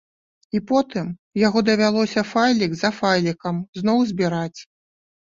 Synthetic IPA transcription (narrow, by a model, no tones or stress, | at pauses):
ipɔt̪ɨmjaɣɔd̪ɐvʲalˠɔsʲɐfajlʲiɡzɐfajlʲikɐmznɔwzʲbʲiɾat͡sʲ